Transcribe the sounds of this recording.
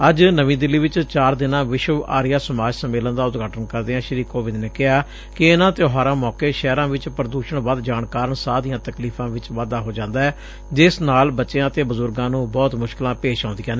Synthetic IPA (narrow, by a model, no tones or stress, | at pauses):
əd͡ʒnəʋĩːd̪ɪlːiːʋɪt͡ʃt͡ʃaːɾd̪ɪnãːʋɪʃəʋa̰ːɾɪjaːsəmaːd͡ʒsəmeːlənd̪aːʊt̪ɡʱaːʈənkəɾd̪eːɦɛ̃ːʃəɾiːkoːʋɪd̪neːkɪɦaː | kɪɪnãːt̪eoɦaːɾãːmɔːkeːʃɛːɾãːʋɪt͡ʃpəɾəd̪uːʃəɳʋaːd̪d͡ʒaːɳkaːɾəɳsaːd̪ijãːt̪əkliːpʰãːʋɪt͡ʃʋaːd̪aːɦoːd͡ʒãːnd̪aːɛː | d͡ʒɪsnaːlbətːʃeãːət̪eːbəzʊɾɡãːnũːbɔːt̪mʊʃkɪlãːpeːʃãːnd̪ɪjãːneː